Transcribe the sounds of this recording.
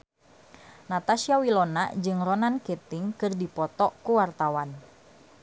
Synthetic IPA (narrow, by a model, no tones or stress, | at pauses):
nat̪asiawilona̰ʔd͡ʒɨŋrɔnanket̪ɪŋkɨrdipɔt̪ɔkuwart̪awan